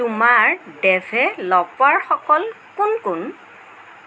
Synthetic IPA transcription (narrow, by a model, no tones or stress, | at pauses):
tumaɹdɛvʱɛlɔpwaɹxɔkɔl | kunkʊn